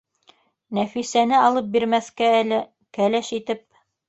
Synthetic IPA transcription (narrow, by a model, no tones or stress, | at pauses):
næfisænɘɑlˠɤp̚biɾmæθkæælɘ | kælæʃit̪ɘp̚